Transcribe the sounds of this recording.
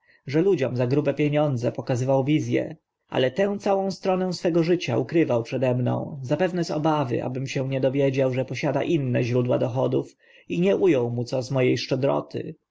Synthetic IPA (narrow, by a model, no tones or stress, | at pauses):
ʐɛlud͡ʑɔmzaɡɾubɛpʲjeɲɔnd̪zɛpɔkazɘvawvʲizʲjɛ̰ | ʔa̰lɛt̪ɛ̃w̃t̪sawɔ̃w̃st̪ɾɔnɛ̃w̃sfɛɡɔʐɘt͡ɕa̰ukɾɘvawpʂɛd̪ɛmnɔ̰̃w̃zapɛvnɛzɔ̰bavɘ̰ʔa̰bɘmɕɛ̃ɲɛd̪ɔvʲjed͡ʑawʐɛpɔɕad̪a̰ʔinːɛʑɾud̪wa̰d̪ɔxɔd̪uf | iɲɛʔujɔ̃w̃mut̪sɔzmɔjejʂt͡ʂɛd̪ɾɔ̰t̪ɘ̰